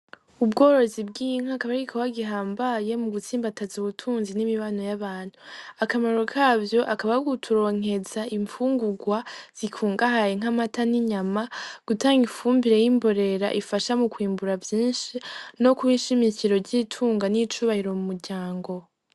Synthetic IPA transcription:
ubɡo̞ːɾo̞zib̚ɡiːŋ̥akaβaɾikʰowaɡiɦaːmbaje̞muɡut͡siːmbatazuβutʰuːnzinimiβano̞jaβaːnhuakamaɾokʰaːvjo̞ʔakaβauɡutʰuɾo̞ːŋ̥e̞zaiɱfuːŋɡuɡwaz̥ikʰuːŋɡahajeŋamataniɲamaɡ̥utaːŋɡifuːmbiɾe̞jimbo̞ɾe̞ɾa̰ʔifaʃamukwiːmbuɾavjiːnʃino̞kuwiʃimiciɾo̞ɾɟiːtʰuːŋɡanit͡ʃuːβahiɾo̞mumuɾɟaːŋɡo̞

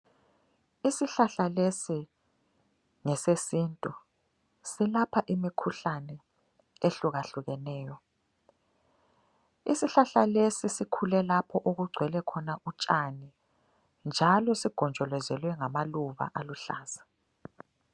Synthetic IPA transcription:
isiɬaɬalesi | ŋɛsesintʼu | silapʰaʔimikʰuɬanɛ | eɬuɣaɬuɣɛnɛːjɔ | ḭsiɬaɬalesisikʰulɛlapʰɔʔoɣuɡ͡ǀʱwɛlɛkʰɔnaʔut͡ʃʼani | nd͡ʒʱalɔsiɡ̥ʱɔnd͡ʒʱɔlɛzɛlwɛŋamaluβa̰ʔaluɬaːz̥ḁ

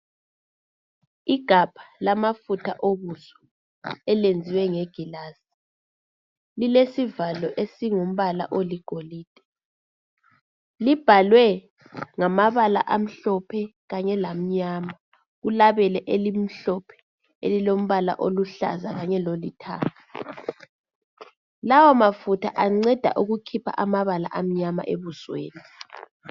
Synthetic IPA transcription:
iɡ̥ʱab̥ʱḁlamafutʰaʔoβusɔ̥ | ɛlend͡zʱiwɛŋɛɡ̥ʱilaːsi̥ | lilesivalɔʔesiŋom̩βala̰ʔoliɡ̥ʱoliːd̥ʼʱɛ̥ | lib̥ʱalwɛ | ŋamaβala̰ʔam̩ɬɔpʰɛɣaɲɛlam̩ɲaːma | ɣulaβɛlɛʔelim̩ɬɔpʰɛ̥ | ḛlilom̩βala̰ʔoluɬa̰zaɣaɲɛlolḭtʰa̰ːtʰḁ | lawɔmafutʰa̰ʔaŋ͡ǀɛd̥ʱa̰ʔuɣukʰipʰa̰ʔamaβala̰ʔam̩ɲama̰ʔeβuswḛːni

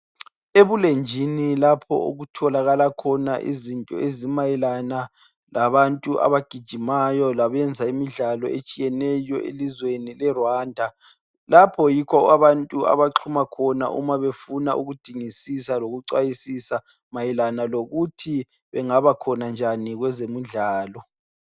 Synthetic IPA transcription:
eβulend͡ʒʱinilapʰɔ̰ṵɣutʰɔlaɣalakʰɔna̰ʔḭzintʼɔ̰ezimajɛlana | lʔaβantʼuʔa̰βaɡ̥ʱid̥ʒ̥ʱimajɔlaβɛnd͡zʱaimiɮalɔ̰et͡ʃʼijɛnɛjɔʔḛlizwenilɛrwaːndʱa | lapʰɔjikʰɔɣaβantʼua̰βaǁʰumakʰɔna̰ʔṵmaβefunauɣud̥ʱiŋisisaloɣuǀwajisisa | majɛlanaloɣutʰi | βɛŋaβakʰɔnand͡ʒʱaniɣwɛzemuɮaːlɔ

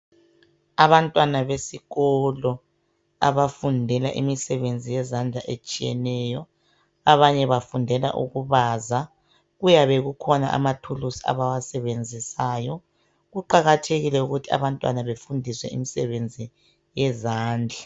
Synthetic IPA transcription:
aβantʼwanaβesiɣɔlɔ | a̰βafundʱɛla̰ʔimisɛβend͡zʱijɛzand͡ɮʱaʔet͡ʃʼijɛnɛjɔ | aβaɲɛβafundʱɛla̰ʔṵɣuβaza | ɣujaβeɣukʰɔnaʔa̰matʰulusia̰βawasɛβend͡zʱisaːjɔ | ɣuǃaɣatʰeɣilɛuɣutʰia̰βantʼwa̰naβefundʱiswɛ̰imisɛβend͡zʱi | jɛzaːnd͡ɮʱa

